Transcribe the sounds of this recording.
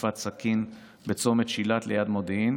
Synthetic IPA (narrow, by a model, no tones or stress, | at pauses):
fat̪sakin | bet͡so̞met̪ʃilat̪lejad̪modin